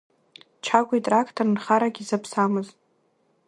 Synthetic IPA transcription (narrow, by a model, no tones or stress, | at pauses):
t͡ʃʰaɡʷaitʼrakʰtʰornχaɾaɡʲizapʰsamɨzʼ